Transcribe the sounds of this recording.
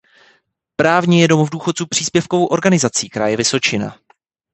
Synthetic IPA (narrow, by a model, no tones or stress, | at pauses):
pɾaːvɲɛjɛdo̞movduːxot͡supr̝̥iːspjɛfkovowʔo̞ɾɡanɪzat͡siːkɛɾaːjɛvɪso̞t͡ʃɪna̰